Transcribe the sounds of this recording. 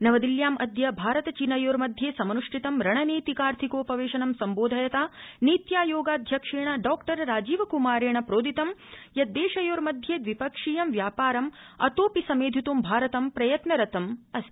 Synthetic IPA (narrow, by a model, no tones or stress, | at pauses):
nɐʋɐd̪iljaːmɐd̪jɐbʱaːɾɐt̪ɐt͡ʃinɐjoːɾmɐd̪ʱjeːsɐmɐnuʂʈʰit̪ɐmɾɐɳɐneːt̪ikaːɾt̪ʰikoːpɐʋeːʃɐnɐmsɐmboːd̪ʱɐjɐt̪aːniːt̪jaːjoːɡaːd̪ʱjɐkʂeːɳɐɖɔːkʈɐɾɾaːd͡ʒiːʋɐkumaːɾeːɳɐpɾoːd̪ʱit̪ɐmjɐd̪eːʃɐjoːɾmɐd̪ʱjeːd̪ʋipɐkʂiːjɐmʋjaːpaːɾɐmɐ̰t̪oːpisɐmeːd̪ʱit̪umbʱaːɾɐt̪ɐmpɾɐjɐt̪nɐɾɐt̪ɐmɐs